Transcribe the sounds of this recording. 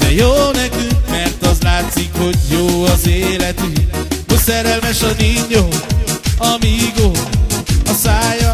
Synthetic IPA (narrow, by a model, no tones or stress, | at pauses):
d̪̥ɛjoːnɛkyŋkmɛrt̪ɒzlaːt̪sikho̞ɟjoːɒzeːlɛt̪yosɛɾɛlmɛʃɒniɲːo | ɒmiɡo | ɒsaːjɒ